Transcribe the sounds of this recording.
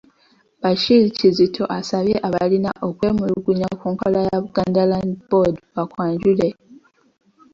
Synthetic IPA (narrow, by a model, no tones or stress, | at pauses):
baʃilicizitʰo̞ʔasaβje̞ʔaβalina̰ʔokwe̞ːmuluɡuɲakuːŋkolajaβuɡ̥aːndalandbodβakwaːɲɟule̞